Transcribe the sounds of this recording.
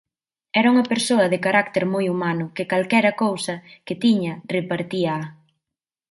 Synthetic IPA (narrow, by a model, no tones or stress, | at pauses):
ɛɾɐuŋɐpeɾsoɐðɪkaɾakt̪eɾmojumanʊkɪkalkɛɾɐkowsɐkɪt̪iɲɐrepaɾt̪iɐa